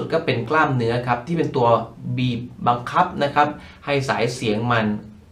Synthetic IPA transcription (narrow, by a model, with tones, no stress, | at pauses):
t̪̚kɔː˥˩pe˧nklaː˥˩mnɯ˦˥ɐkʰa˦˥p̚t̪ʰiː˥˩pe˧nt̪u˧ɐbiː˨˩p̚ba˧ŋkʰa˦˥p̚na˦˥kʰa˦˥p̚ | ha˥˩jsaː˩˦jsi˩˦əŋma˧n